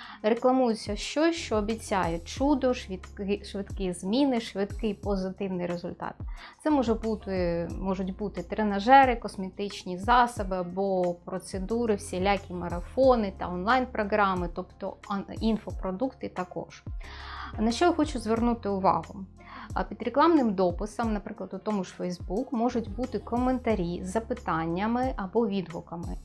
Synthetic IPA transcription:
reklˠɐmujʊt͡sʲːɐʃt͡ʃɔsʲʃt͡ʃɔːbʲit͡sʲajɛt͡ʃud̪ɔʃʋʲiɪʃʋɪd̪kizmʲinɪʃʋɪd̪kɪjpɔzɪt̪ɪwnɪjɾezʊlʲt̪ɑ̰t̪̚t̪sɛmɔʒɛbut̪ɪmɔʒʊtʲbut̪ɪt̪ɾenɐʒɛɾɪkɔsmʲet̪ɪt͡ʃnʲizɑsɐbɪɐbɔpɾɔt̪sed̪uɾɪwsʲilʲakʲimɐɾɐfɔnɪt̪ɐ̰ɔnlˠɑjnpɾɔɦɾɑmɪt̪ɔpt̪ɔ̰infɔpɾɔd̪ukt̪ɪt̪ɐkɔ̰ʒ̥ | nɐʃt͡ʃɔjxɔt͡ʃʊzʋernut̪ɪʊʋɑ̰ɦʊ | pʲid̪ɾeklˠɑmnɪmd̪ɔpɪsɐmnɐpɾɪklˠɐd̪ʊt̪ɔmʊʃfɛjzbukmɔʐʊtʲbut̪ɪkɔment̪ɐɾʲizɐpɪt̪ɑnʲːɐmɪʔɐbɔʋʲid̪ɦʊkɐmɪ̰

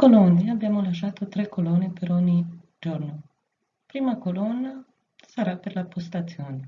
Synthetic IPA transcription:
kolond̪iaabjaːmolaʃaːt̪ot̪ɾɛkːolonepeɾoɲːi | d͡ʒorno | pɾiːmakolonːa | saɾapeɾlapost̪at̪sːjoːne

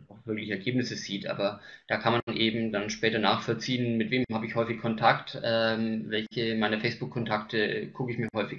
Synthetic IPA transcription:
aʊxv̥ɪɐklɪçəɛɐɡ̥eːp̚nɪsəz̥iːtʔa̰ːbɐd̥aːkʰanmanʔeːbm̩danʃpɛːtɐnaːxfɔlt͡siːənmɪtv̥eːmhaːbəɪçhɔʏfɪçkʰɔntʰaktʔɛmvɛlçəmaɪnɐfɛɪsb̥ʊkʰːɔntʰaktə̰ɡ̥ʰʊkəɪçmiːɐɦɔʏfɪç

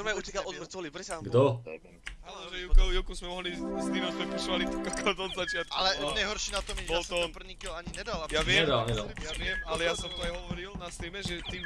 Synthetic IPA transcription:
ɔmaut̪ɛkalɔd̪m̩t͡sɔlipɾɛsɡdd̪ɔ | aɔʒɛjukɛjukusmɛɔɦliːst̪imasmɛpisɔʋalit̪ɔkakad̪ɔd̪zat͡ʃɪat̪̚kalɛɲɛɦɔɾʃiːnat̪ɔmɛbalst̪ɔpr̩ɲikɛlaɲiɲɛd̪alapjaʋɪɛɲɛd̪alɲɛd̪a̰ljaaʋɪɛmalɛjasɔmt̪ɔajɦɔʋɔɾilnast̪iɛmɛʒɛt̪iːm

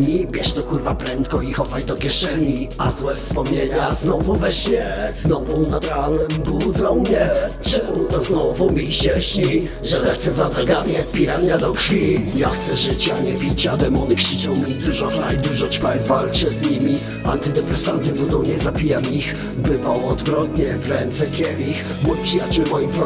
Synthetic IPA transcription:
ɲibʲjɛʂt̪ɔkuɾvapɾɛnt̪kɔixɔvajd̪ɔkʲjɛʂɛɲiazwɛfspɔmɲeɲaznɔvuvɛɕɲɛznɔvunad̪ɾanɛmbud̪zɔw̃mɲɛt͡ʂɛut̪ɔznɔvumʲiɕɛɕɲi | ʐɛlɛxt̪sɛzad̪ɾaɡaɲɛpʲiɾanɲad̪ɔkfʲijaxt̪sɛʐɪt͡ɕaɲɛpʲit͡ɕad̪ɛmɔnkʂɘt͡ʂɔ̃w̃mʲid̪uʐɔkna̰jd̪uʐɔt͡ɕfajvalt͡ʂɛzɲimʲi | a̰nt̪ɘd̪ɛpɾɛsant̪ɘbund̪ɔ̃wɲɛzapʲijamix | bɘvawɔd̪vɾɔt̪ɲɛvɾɛnt̪sɛkʲɛvʲix | mujpʂɨjat͡ɕɛlmɔjip

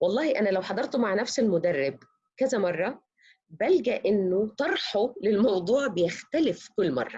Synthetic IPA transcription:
wɑlˤːɑːhiʔænælæwħɑd̪ˤɑɾˤt̪maʕnæfselmʊd̪ɑrːɪb̚ | kæzæmɑrˤːɑ | bælɡæʔɪnːot̪ˤɑɾˤħolɪlmɑwd̪ˤuːʕbejext̪ælɪfkʊlːmɑ̰rˤːɑ̰

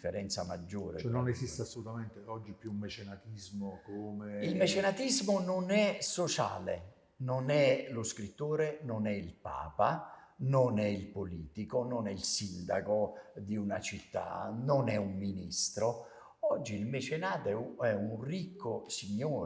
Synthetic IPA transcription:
fːeɾɛnt̪sama̰d͡ʒːoːɾ̰ɛnːonesist̪easːolut̪ament̪eɔd͡ʒːipːjumːet͡ʃenat̪izmokoːmeilmet͡ʃenat̪izmononɛsot͡ʃa̰ːlḛ | nɔnɛlʊskɾit̪ːoːɾenɔnɛilpa̰ːpanonɛilpoliːt̪ikononɛilsind̪a̰kod̪iunat͡ʃit̪ːa̰nɔnɛumːinist̪ɾo | ɔd͡ʒːiːlmɛt͡ʃenaːt̪ɛɛunrikʰːosiɲːoː

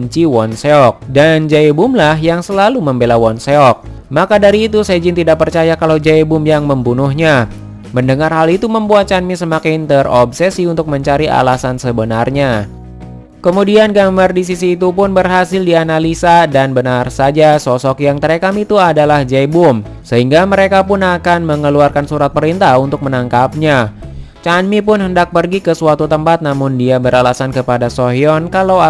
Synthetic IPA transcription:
ɲt͡ʃiwɔnseɔk̚dand͡ʒaibʊmlaɦjaŋsəlaluməmbelawɔnseɔk̚ | makadaɾiːt̪usad͡ʒɪnt̪idaʔk̚pərt͡ʃajakalawd͡ʒaibʊmjaŋməmbunuhɲa | məndəŋarɦalit̪uməmbuat̪̚t͡ʃanmisəmakɪnt̪ərɔbsɛsiunt̪ʊk̚məɲt͡ʃaɾiʔa̰lasansəbənarɲa | kəmudianɡamardisisiːt̪upʊnbərɦasɪldianalisadanbənarsad͡ʒasɔsɔkjaŋt̪əɾekamit̪uadalahd͡ʒajbʊm | səɦiŋɡaməɾekapʊnakanməŋəluarkansuɾat̪̚pəɾint̪ahunt̪ʊk̚mənaŋkap̚ɲat͡ʃanmipʊnɦəndak̚pərɡikəsuat̪ut̪əmpat̪̚namʊndiabəɾalasankəpadasoɦiɔnkalaa

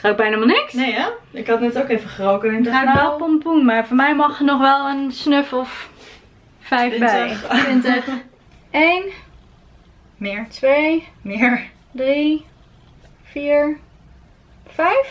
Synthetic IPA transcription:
aɡ̚bɛjnamalˠnɪksnej | ɪkhɑtnɛtokejvəχərowkənɪnəaɛpɔmpunmaːɹfɔɹmɛjmɔχənɔχʋɛlˠənsnøfɔf | fɛjfbɛɪntɛ | ejn | mɪːɹtʋejmɪːɹ | dri | fiːɹ | fɛjf

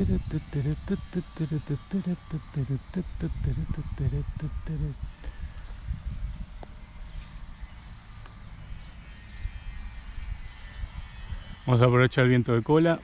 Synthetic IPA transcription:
ɾt̪t̪ːɾt̪t̪ːt̪ːɾt̪t̪ɾt̪t̪ːɾt̪t̪t̪ːɾt̪ɾt̪t̪ɾ | βamos̬apɾoet͡ʃaelβjent̪oðekola

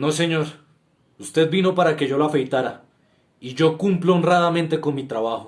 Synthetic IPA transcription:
no̞se̞ɲo̞ɾ | ust̪e̞ð̚bino̞paɾake̞ʝo̞loafe̞jt̪aɾa | iʝo̞kumploonrað̞amẽnt̪e̞ko̞nmit̪ɾaβaxo

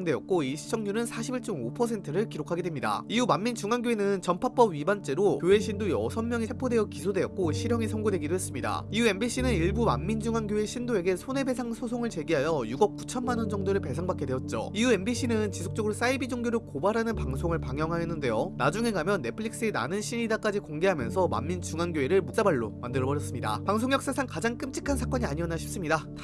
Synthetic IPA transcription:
ŋdwe̞jʌt̚k͈oiɕʰi̥t͡ɕ͈ʰʌŋɲunɯnsʰaɕʰibiɭt͡ɕ͈ʌmopʰʌs̬ʰe̞ntʰɯɾɯɭkiɾokʰaɡe̞dwemɲida̰iumamːint͡ɕuŋanɡjoenɯnt͡ɕʌmpʰap͈ʌbɥibant͡ɕ͈e̞ɾokjoe̞ɕʰindojʌ̰sʰʌnmjʌŋisʰepʰode̞jʌkisʰodwe̞jʌk̚k͈oɕʰiɾjʌŋisʰʌŋɡodwe̞ɡidoɦe̞s͈ɯmɲida̰iue̞mbiɕ͈ʰinɯniɭbuma̰mːind͡ʑuŋanɡjoeɕʰindoe̞ɡe̞sʰone̞be̞sʰaŋsʰosʰoŋɯɭt͡ɕe̞ɡiɦajʌjuɡʌp̚k͈u̥t͡ɕʰʌnmanʌnd͡ʑʌŋdoɾɯɭpe̞sʰaŋbak͈edwe̞ʌt̚t͡ɕ͈o̰iue̞nbiɕ͈ʰinɯnt͡ɕisʰok̚t͡ɕ͈ʌɡɯɾos͈aibid͡ʑoŋɡjoɾokobaɾɦanɯnpaŋsʰoŋɯɭpaŋjʌŋɦajʌnːɯnde̞jonad͡ʑuŋe̞ɡamjʌnːe̞pʰɯɭiks͈ɯena̰nɯnɕʰiɲidak͈ad͡ʑikoŋɡe̞ɦamjʌnsʰʌma̰mːint͡ɕuŋanɡjoeɾɯɭmuk̚s͈abaɭːo̰mandɯɾʌbʌɾjʌs͈ɯmɲida̰paŋs̬ʰoŋjʌks͈asʰaŋkad͡ʑaŋk͈ɯmt͡ɕ͈ʰi̥kʰansʰak͈ʌɲiaɲiʌnaɕʰip̚s͈ɯmɲida

